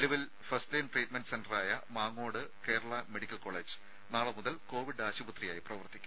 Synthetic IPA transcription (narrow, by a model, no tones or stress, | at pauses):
liʋil | fɐstleːnʈriːʈmenɖɨsendɐraːjɐmaːŋːo̞ːɽɨke̞ːɾɐɭɐmeɽikʲːɐlko̞ːɭːeːd͡ʑɨ̥ | naːɭɨmuðɐlko̞ːʋiɽaːɕubɐt̪rijaːjiprɐʋɐrt̪ːikʲːum